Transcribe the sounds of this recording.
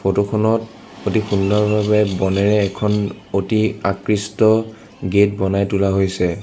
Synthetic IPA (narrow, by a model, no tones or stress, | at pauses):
pʰotokʰɔnɔt | otixundɔɹbʱaβɛbɔnɛɹɛːkʰɔn | otiakɹistɔ | ɡet̚bɔnajtulaɦojsɛ